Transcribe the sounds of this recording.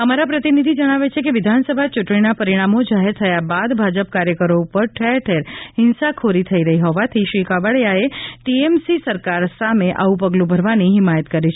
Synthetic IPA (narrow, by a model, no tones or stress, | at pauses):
əmaɾapɾət̪inid̪ʱid͡ʒəɽ̃aʋet͡ʃʰekeʋɪd̪ʱansəbʱat͡ʃuʈɳinapəɾiɽ̃amod͡ʒaɦeɾt̪ʰəjabad̪bʱad͡ʒəpkaɾjəkəɾoupəɾʈʰɛɾʈʰɛɾɦɪnsakʰoɾit̪ʰəiɾəɦiɦɔʋat̪ʰiʃʋikaʋəɭjaeʈiemsisəɾkaɾsameʔa̰upəɡlũbʱəɾʋaniɦɪmajət̪kəɾit͡ʃʰe